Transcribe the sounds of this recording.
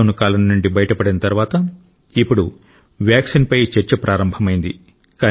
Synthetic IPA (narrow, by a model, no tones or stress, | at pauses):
wnukaːlɐnːuɳɖibɐjɐʈɐpɐɽinɐt̪ɐɾʋaːt̪ɐ | ipːuɽu | ʋjaːksinpɐjt͡ʃeɾt͡ʃɐpɾʔaːɾɐmbʱɐmɐjind̪i | kaː